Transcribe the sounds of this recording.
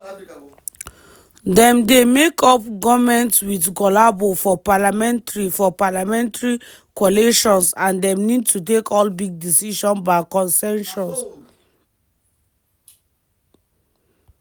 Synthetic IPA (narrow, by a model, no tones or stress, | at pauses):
dɛ̃mdemekʰɔp̚ɡɔmɛ̃ntswitɡɔlabofɔpalamɛ̃ntɹifɔpalamɛ̃ntaɹi | kɔleʃɔ̃nsãndɛ̃mnid̚tʰut̬ekɔlbiɡ̚disiʃɔ̃nbaɪkɔ̃nsɛ̃nʃɔ̃ns